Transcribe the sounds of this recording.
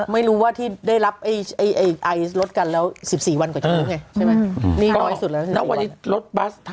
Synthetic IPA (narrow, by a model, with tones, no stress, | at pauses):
ma˥˩jɾuː˦˥waː˥˩t̪ʰiː˥˩daː˥˩jɾa˦˥p̚ʔa˥˩jʔa˧˩jʔa˧jʔa˧jɾo˦˥t̪̚ka˧nlɛː˦˥wsi˨˩p̚siː˨˩wa˧nkɔ˨˩t͡ɕ̚ːŋa˧jt͡ɕʰa˥˩ma˦˥niː˥˩nɔː˦˥jsu˨˩lɛ˦˥si˨˩na˦˥˩wa̰˧˩nːiː˦˥ɾo˦˥t̪̚ba˦˥st̪ʰ